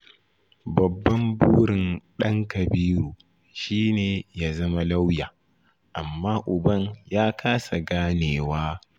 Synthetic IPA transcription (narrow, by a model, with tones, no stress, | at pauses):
bɐ˨bːɐ˦mbuː˦ɽɪ˨nɗɐ˦ŋkɐ˨biː˦ɾuː˨ | ʃiː˦neː˨jaː˦zɐ˦ma˦la˦wjaː˨ | ʔa̰˨mːaː˦ʔʊ˨bɐ˦ɲjaː˦kʰaː˦sa˨ɡaː˦neː˨waː˦